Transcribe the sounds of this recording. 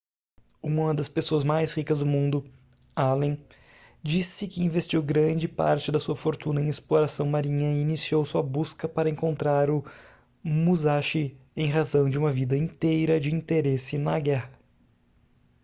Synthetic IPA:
ũmɐd̪ɐspesoɐzmajshikɐzd̪ʊmũnd̪ʊ | alẽ | d͡ʒisɪkɪĩvest͡ʃiwɡɾɐ̃d͡ʒɪpa̰ɾt͡ʃɪd̪ɐsuɐfoɾt̪ũnɐẽj̃esploɾasɐ̃w̃maɾĩɲɐɪinisiowsuɐbuskɐpaɾɐẽŋkõnt̪ɾaɾʊ | muzaʃɪ | ẽj̃ɦazɐ̃w̃d͡ʒɪũmɐvid̪ɐĩt̪ejɾɐd͡ʒɪĩnt̪eɾesɪnɐɡɛhɐ

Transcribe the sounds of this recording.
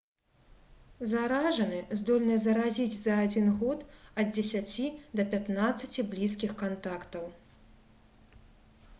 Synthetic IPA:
zaɾaʐɐnɨzd̪ɔlʲnɨzɐɾazʲid͡zʲzɐːd͡zʲinɣɔt̪ɐd̪̚d͡zʲɛsʲat͡sʲid̪ɐpʲat̪nat̪sːɐt͡sʲiblʲiskʲixkant̪akt̪ɐw

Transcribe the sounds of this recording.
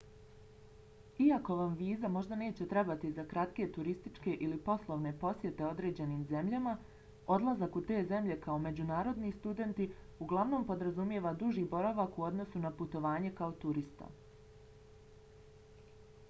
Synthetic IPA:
iako̞ʋamʋiːzamo̞ʒd̪ane̞ːt͡ɕe̞t̪ɾe̞bat̪izakɾat̪ke̞t̪uɾist̪it͡ʃke̞ʔilipo̞slˠo̞ʋne̞po̞sje̞t̪e̞o̞d̪ɾe̞ːd͡ʑe̞niːmze̞mʎama | o̞d̪lˠazakut̪e̞ːze̞mʎe̞kaome̞d͡ʑunaːɾo̞d̪nist̪ud̪e̞nt̪i | uɡlˠaʋno̞ːmpo̞d̪ɾazumje̞ʋad̪uʒiːbo̞ɾaʋakuo̞d̪no̞sunaput̪o̞ʋaːɲe̞kaot̪uɾist̪a̰

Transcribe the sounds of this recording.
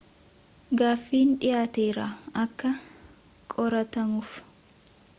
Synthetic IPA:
ɡaːfːiːnᶑɪjaːt̪e̞ːɾa̰ɐkːɐ | kʼɔɾɐt̪ɐmʊf

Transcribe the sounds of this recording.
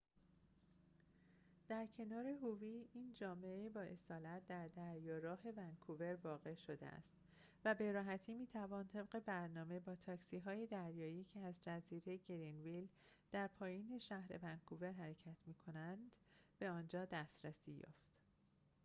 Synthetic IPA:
d̪̥æɾcʰe̞nɒːɾe̞ɦuviːiːnd͡ʒɒːmeebɒːe̞sɒːlæt̪̚ʰd̪æɾd̪æɾjɒːɾɒːɦe̞væŋkʰuve̞ɾvɒːɣe̞ʃo̞d̪ḛæ̰st̪ | væbe̞ɾɒːɦæt̪ʰiːmiːt̪ʰævɒːnt̪ʰe̞bɢe̞bæɾnɒːme̞bɒːt̪ʰɒːksiːɦɒːjed̪æɾjɒːiːcʰeæzd͡ʒæziːɾe̞ɟeɾinvil | d̪̥æɾpʰɒːjiːne̞ʃæhɾe̞̰væŋkʰuve̞ɾɦæɾecʰæt̪ʰmiːkʰo̞nænd̪̥b̥e̞ɒːnd͡ʒɒːd̪æst̪ɾæsiːjɒ̰ːft̪

